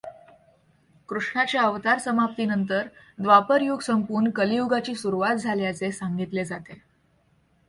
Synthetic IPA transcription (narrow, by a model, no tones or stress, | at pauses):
kɾuʂɳat͡ɕjaəʋt̪aɾsəmap̚t̪iːnənt̪əɾ | d̪ʋapəɾjuɡsəmpuːɳkəliuɡat͡ɕiːsuɾuʋat̪̚d͡zʱaljat͡sesaŋɡit̪led͡zat̪e